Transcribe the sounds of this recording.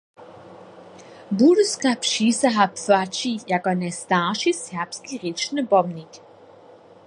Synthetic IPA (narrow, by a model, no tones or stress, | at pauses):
buɾəskapʃiːsaɦapfat͡ʃijakɔnɛst̪aːʃishɛɐpskiʁit͡ʃnəbɔmnik